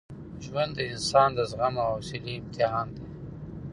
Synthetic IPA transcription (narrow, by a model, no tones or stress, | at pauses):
ʒwand̪əɪnsɑːnd̪əzɣamaːwsiliɪmt̪ɪɦɑːnd̪e